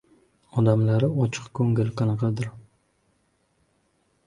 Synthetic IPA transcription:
ɒd̪amlaɾɪɒt͡ʃʰɨ̥qkʰɵŋɪlqʰɑnɑqʰɑd̪ɪɾ

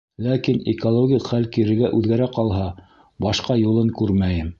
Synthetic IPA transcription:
lækinikolˠoɡʲikχælkiɾɘ̆ɾɡæʔʉðɡæɾæqɑlˠɦɑ | bɑʃqɑjulˠɤŋkʉɾmæjɘm

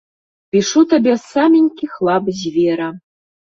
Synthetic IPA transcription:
pʲiʂut̪ɐbʲesamʲinʲkʲixlˠɑbzʲvʲeɾa

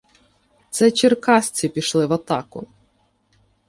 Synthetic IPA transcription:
t̪sɛt͡ʃɪrkɑsʲt͡sʲipʲiʃlˠɪʋɐt̪ɑkʊ

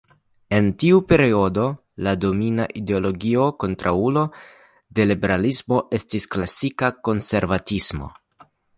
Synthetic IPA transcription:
e̞ntiupe̞ɾio̞do̞ | lado̞mina̰ʔide̞o̞lo̞ɡio̞ko̞ntɾʔaulo̞ | de̞libe̞ɾalismo̞ʔe̞stisklasikako̞nse̞ɾvatismo̞̰

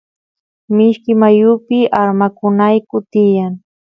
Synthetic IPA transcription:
mɪʃkɪmajʊpɪʔaɾmakʊnajkʊt̪ɪjaŋ

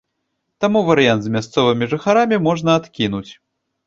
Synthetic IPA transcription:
t̪amuvɐɾɨjant̪zmʲast̪sɔvɨmʲiʐɨxaɾamʲimɔʐnɐaːt̪kʲinut͡sʲ

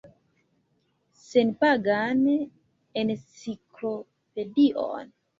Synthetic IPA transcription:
senpaɡan | ensiklo | pediʔo̰n

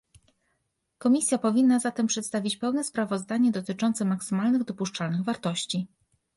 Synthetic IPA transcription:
kɔmʲisʲjapɔvʲinːazat̪ɛmpʂɛt̪st̪avʲit͡ɕpɛwnɛspɾavɔzd̪aɲɛd̪ɔt̪ɘt͡ʂɔnt̪sɛmaksɘmalnɘɣd̪ɔpuʂt͡ʂalnɘɣvaɾt̪ɔɕt͡ɕi

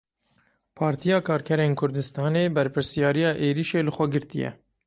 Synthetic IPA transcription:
pʰɑːɾt̪ʰijɑːkʰɑːɾkʰɛɾeːnkʰʊɾd̪ɨst̪ɑːneːbɛɾpɨɾsijɑːɾijɑːʔeːɾiʃeːlɨxʷɛɡɨɾt̪ijɛ̰

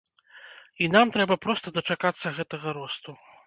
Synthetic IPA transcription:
inamt̪ɾɛbɐpɾɔst̪ɐd̪ɐt͡ʂakat̪sːɐɣɛt̪ɐɣɐɾɔst̪u

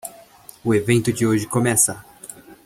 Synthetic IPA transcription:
ʊevẽnt̪ʊd͡ʒɪoʒɪkomɛsɐ

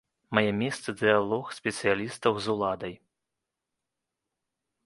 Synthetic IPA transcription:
majɛmʲɛst̪sɨd̪ɨjalˠɔxsʲpʲɛt̪sɨjalʲist̪ɐwzulˠad̪ɐj

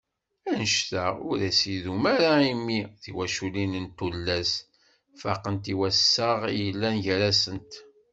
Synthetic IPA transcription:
ænəʃθaʊɾæsiðumæɾaimːiðiwæʃulinənt̪ulːæs | faqənt̪iwæsːəʁjəlːænʝɾæsənt̪

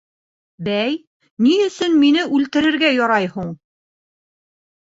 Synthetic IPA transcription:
bæj | niɵ̆sɵnminɘʔʉlt̪ɘ̆ɾɘ̆ɾɡæjɒɾɑjhuɴ

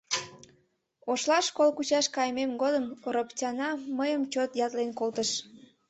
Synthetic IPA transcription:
oʃlɑʃkolkut͡ɕɑʃkɑjmemɡod̪əmrəpt͡ɕʲɑnɑməjəmt͡ɕot̪jɑt̪lenkolt̪əʃ

